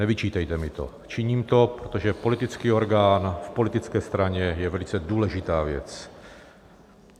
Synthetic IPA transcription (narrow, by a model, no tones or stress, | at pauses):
nɛvit͡ʃiːt̪ɛjt̪ɛmɪt̪o̰ | t͡ʃɪɲiːmt̪o̞pɾot̪o̞ʒɛpo̞lit̪ɪt͡skiːo̞ɾɡaːnfpo̞lɪt̪ɪt͡skɛːst̪ɾaɲɛjɛvɛlɪt͡sɛduːlɛʒɪt̪aːvjɛ̰t͡s